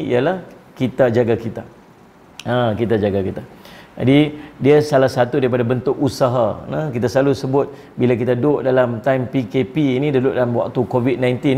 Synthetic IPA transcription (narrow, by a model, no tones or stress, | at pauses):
ḭalah | kit̪ad͡ʒaɡakit̪a | akit̪ad͡ʒaɡakit̪a | d͡ʒa̰didiasalahsat̪udaɾipadabənt̪ʊkusaɦanãkit̪asəlalusəbʊt̪̚ | bilakit̪adʊʔdalamt̪ajmpikepiːnĩdəduʔdalamwa̰k̚t̪ukovit̪̚nãjnt̪in